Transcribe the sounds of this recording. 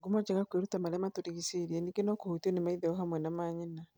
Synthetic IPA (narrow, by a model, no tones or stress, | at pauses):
ɡumɔd͡ʒɛɣakweɾutamaɾɛmatoɾiɣisiɾiɛnikenɔkohotiɔnemaiðɛɔɦamwɛnamaːɲina